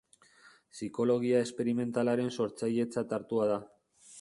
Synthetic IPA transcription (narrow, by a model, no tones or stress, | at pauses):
siko̞lo̞ɣ̞iae̞spe̞ɾime̞nt̪alaɾe̞nso̞ɾt͡saje̞t͡sat̪aɾt̪uað̞a